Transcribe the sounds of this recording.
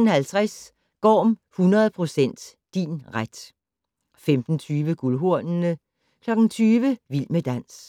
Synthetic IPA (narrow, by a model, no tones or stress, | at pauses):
n̩hælt͡sʰʁas | ɡ̥ɒ̰ːm | hunɐð̞̩ˠpʰʁo̝sen̰d̥ː | inʁad̥ | femd̥n̩t͡sʰyːʋəɡ̥ulɦo̝ɐ̰nnə | kʰlɒ̽ɡ̥ŋ̩t͡sʰyːʋəʋil̰məd̥æn̰s